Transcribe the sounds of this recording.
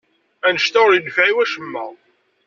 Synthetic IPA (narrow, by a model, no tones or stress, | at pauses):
ænəʃt̪æʁɾjənfʕiwæʃəmːæ